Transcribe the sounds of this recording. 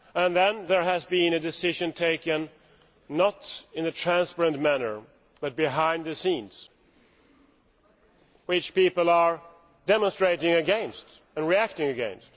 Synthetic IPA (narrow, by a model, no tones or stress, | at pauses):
ə̃nðɨ̃nðə˞ɨzbĩnɨdɨsɪʒɨ̃ntʰeɪkɨ̃nː | əɾɨ̃nðɨtʰɹ̥æ̃nspɛɹɨ̃nmænə̰˞ | b̥ʌt̚b̥ɨɦãɪ̃ndðɨsĩnz̥ | wɪt͡ʃpipl̩ˠə˞ | dɛmə̃nstɹ̥eɪɾɪ̃ŋɨɡɛ̃nst | ə̃nɹiæk̚tɪ̃ŋɨɡɛ̰̃nst